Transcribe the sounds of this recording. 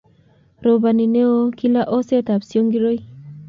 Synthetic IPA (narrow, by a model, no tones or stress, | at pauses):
ɾɔbanineokilaʔɔset̪apsiɔŋɡiɾoj